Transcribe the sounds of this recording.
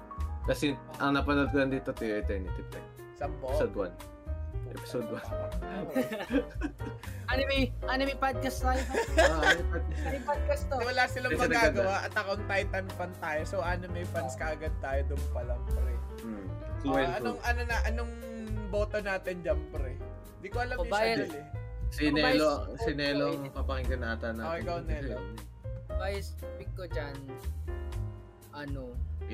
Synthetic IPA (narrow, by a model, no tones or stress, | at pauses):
kɐsɛʔɐŋnɐpɐnod̪̚kolɐŋd̪iːt̪ot̪ujoɐt̪ɛnɪt̪ɪp̚ɛ | sɐmpoɪsod̪wɐn | ʔɛ̰pɪ̥sod̪̚wɐn | anɐmʔanomɐjpad̪̚kɐst̪aːjoanad̪̚kɐpad̪̚kɐst̪odɪwɐlaːsɪlɐmɐnɡaːɡɐwaʔɐt̪ɐkoɐŋt̪ajt̪ɐnpɐnt̪aːjosoʔanomɐjfɐnskɐʔɐɡɐd̪̚t̪aːjod̪ʊŋpɐlɐmpɾɛ | wɛlɐoŋʔɐnonɐʔɐnoŋ | bo̞ːt̪onaːt̪ɪnd͡ʒɐmpɾɛ | nd̪ikoʔɐlɐɪbajɐlɛsɪnɛlosɪnɛːloŋpɐpɐŋɪŋkɐnaːt̪ɐnɐoʔɪkɐwnɛːlo | bajspɪkːod͡ʒɐn | ʔɐno